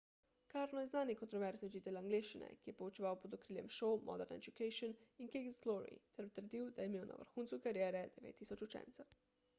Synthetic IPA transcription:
kaːɾnɔjɛznaːnikɔnt̪ɾɔʋɛɾzniʒit̪ɛlaŋɡleːʃt͡ʃinɛ̰kijɛpɔut͡ʃiʋawpɔd̪ɔkɾiːljɛ̰mʃɔwmʔɔ̰d̪ɛɾnɛ̰d͡ʒukɛjʃɔninkeɡzɡlɔɾḭt̪ɛɾt̪əɾd̪iwd̪ajɛmeːwna̰ʋə̰ɾxuːnsukaɾjɛːɾɛd̪ɛʋḛːt̪ːiːsɔt͡ʃut͡ʃɛ̰nt̪sɛw

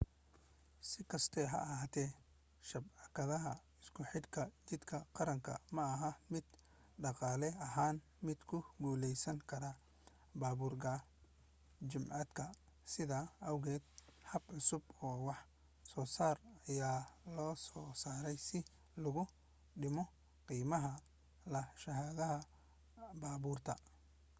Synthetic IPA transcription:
sɪkʰɐst̪ʰɛːɦɐ̰ʔɐɦaːt̪ʰɛː | ʃɐbʕɑkʰɐðɐɦɐ | ɪskʰʊħɪd̪kʰɐt͡ʃɪd̪kʰɐqɑɾɐŋkʰɐ̰mɐɐɦɐmɪd̪̥ | ɖɑqɑːlɛɐɦaːn | mɪd̪kʰʊɡuːlɛjsɐŋkʰɐɾa | baːβuːrkʰɐ | t͡ʃɪmʕɑd̪kʰɐ | sɪðɐɐwɣɛːd̪̚hɐbʕʊsʊbɔːwɑħ | sɔːsaːrɐjaːlɔːsɔːsaːɾɛjsɪ | lʊɣʊ | ɖɪmɔ | qiːmɐɦɐ | lɐʃɐɦaːðɐɦɐ | baːβuːrt̪ʰɐ

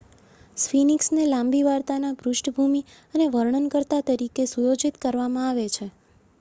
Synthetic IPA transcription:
sfiniksnelãmbiʋaɾt̪anabɾʊʃʈʰbʱumi | əneʋəɾɳənkəɾt̪at̪əɾikesujod͡ʒit̪kəɾʋamãaʋet͡ʃʰe

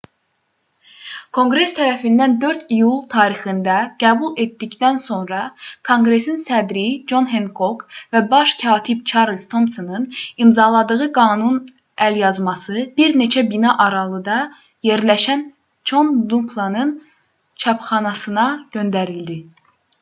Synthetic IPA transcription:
kʰo̞ŋɡɾe̞st̪ʰæɾæfind̪ænd̪ø̞ɾt̪ʰijulˠt̪ʰɑːɾixɯnd̪æɡ̥æːbulˠet̪ːicd̪ænso̞nɾɑkʰo̞ŋɡɾe̞sinsæd̪ɾid͡ʒo̞nɦenkʰo̞kvæbɑʃcʰɑːt̪ʰib̚t͡ʃʰɑɾlʲst̪ʰo̞msonɯnimzɑlˠɑd̪ɯɣɯɡɑːnun | æljɑzmɑsɯb̥iɾne̞t͡ʃʰæbinɑʔɑɾɑlˠɯd̪ɑ | je̞ɾlæʃæn | t͡ʃʰo̞nd̪umpʰlˠɑnɯn | t͡ʃʰɑpχɑnɑsɯnɑɟ̥ø̞nd̪æɾild̪i

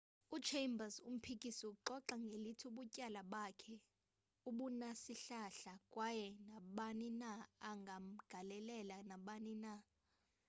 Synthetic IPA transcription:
ut͡ʃʰembasum̩pʰik̬ʼisiuǃɔǃaŋɡʱelitʰuɓucʼalaɓakʰɛ | uɓunasiɬaɬakʼwajɛnaɓaninaːŋɡʱam̩ɡ̥ʱalɛlɛlanaɓanina

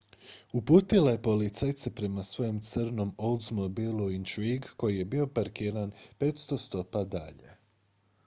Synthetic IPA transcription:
upuːt̪ilaje̞po̞lit̪sajt̪sepɾe̞masʋo̞jemt̪sɨrno̞mold̪zmobilˠuint̪ɾiɡko̞jije̞bio̞paɾkiːɾanpe̞ːt̪st̪o̞st̪o̞pad̪a̰ʎe̞̰

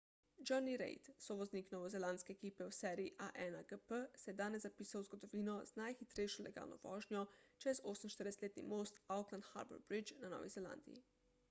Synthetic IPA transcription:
d͡ʒɔniɾɛ̰jt̪sɔʋɔzniːknɔːʋɔzɛlanskɛɛkiːpɛwsɛːɾiiʔaʔɛnaɡəpəsɛjɛd̪aːnɛzzapiːsawzɡɔd̪ɔʋiːnɔz̥najxit̪ɾɛjʃɔlɛ̰ɡa̰ːlnɔ̰ʋɔ̰ːʒnjɔt͡ʃɛzoːsəminʃt̪əɾd̪ɛsɛ̥t̪leːt̪nḭmoːst̪awklanxa̰ɾbə̰ɾbɾid͡ʒnanɔ̰ʋḭzɛla̰nd̪ḭjḭ

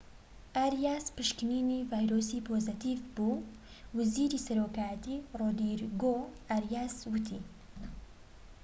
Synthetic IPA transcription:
ʔaɾjaːspɨʃkɨninivaːjɾoːsipʰoːzɨt̪ivbuː | wɐziːɾisɐɾoːkaːjət̪iroːd̪iɾɡo | aɾjaːswʊt̪ʰḭ

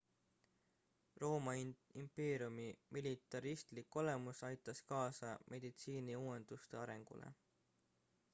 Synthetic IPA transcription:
ro̞ːmɑimpe̞ːɾiumimilʲit̪ːˑɑɾist̪likːˑo̞le̞musɑjt̪ːˑɑskɑːsɑmʔe̞d̪̥it̪siːniuːe̞nd̪̥ust̪e̞ɑɾe̞ŋɡ̥ṵlḛ

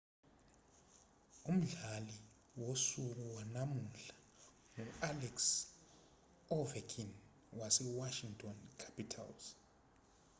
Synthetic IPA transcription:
um̩ɮali | wosuk̬uwanamuɬḁ | ŋualɛks | ɔvɛkʰin | wasɛwaʃiŋtʰɔnkʰḁpʰitʰa̰lz

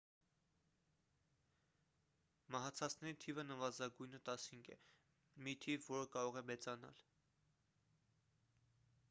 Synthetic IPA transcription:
mɑɦɑt͡sʰɑt͡sʰnɛɾit̪ʰivənəvɑzɑɡujnət̪ɑshiŋɡʰɛ̰ | mit̪ʰivːɔɾəkɑɾɔʁɛmɛt͡sɑnɑ̰l

